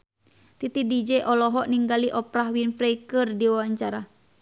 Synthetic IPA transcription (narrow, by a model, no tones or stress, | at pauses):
t̪it̪idid͡ʒɛʔɔlɔɦɔʔniŋɡaliʔɔpɾaɦwinfɾɛikərdiwawaɲt͡ʃaɾa